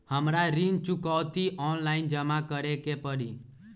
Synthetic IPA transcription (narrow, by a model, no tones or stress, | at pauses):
həmɾaɾiŋt͡ʃʊkɔwt̪iʔɔnlaɪnd͡ʒəmakəɾekepəɽḭ